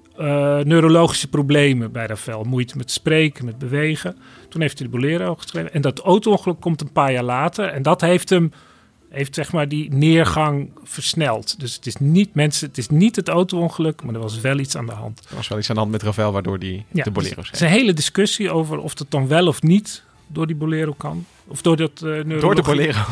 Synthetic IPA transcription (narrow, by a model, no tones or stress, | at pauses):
nøːɾolowχi̥səprowblejməbɛjrafɛlˠmujtəmɛtsprejkəmɛd̚bəʋejχə | tunɦejftɛdəbolɪːɾoχəsχrejvəɛndɔtowtoɔnχəlɵkːɔmtənpaːɹjaːɹlaːtərɛndɔtɦejftəm | ɦejftsɛχmaːɹdinɪːɹχɑŋfəɹsnɛlˠtdɵsə̥tɪsnitmɛnsəətɪsnitɦətowtowɔnχəlɵkmaːdəɹʋɑs̬ʋɛlˠitsa̰ːndəɦɑ̰ntəʋɑ̰sʋɛlˠitsandəɦɑntmɛtravɛlˠʋaːɹdʊ̰ːɹdijaəbolḛːro̰ssɛnɦejlədɪskʏsiowvərɔ̰fdɑt̚dɑnʋɛlˠɔfnit | dʊːɹdibolɪːɾowkɑn | ɔfdʊːɹdɑtnødːɹəboleːro